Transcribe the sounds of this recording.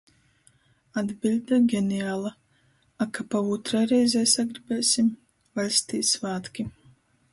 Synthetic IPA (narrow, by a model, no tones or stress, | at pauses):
ad̪bilʲd̪aɡʲɛniaːlˠa | akapavut̪ɾajɾɛjzʲɛːsaɡɾibɛːsʲim | valʲst̪iːt̪svaːt̪kʲi